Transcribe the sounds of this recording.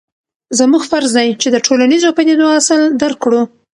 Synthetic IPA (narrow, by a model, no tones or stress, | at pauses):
zəmuɡfaɾzd̪ajt͡ʃed̪əʈʰolanizopad̪id̪oasəld̪aɾkɽu